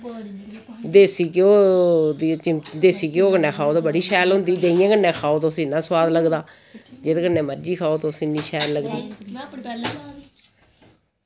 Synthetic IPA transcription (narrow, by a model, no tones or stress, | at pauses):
d̪eːsiːkɪoːd̪iːd̪eːsiːkɪoːkənːɛ̃ːkʰaːoːt̪aːbəɽiːʃɛːlɦʊ̃nd̪iːd̪eːɪjẽːkənːɛ̃ːkʰaːoːt̪oːsɪnːãːswaːd̪ləɡd̪aː | d͡ʒeːt̪ːkənːɛ̃ːməɾd͡ʒiːkʰaːoːt̪õːsɪnːĩːʃɛːlləɡd̪iː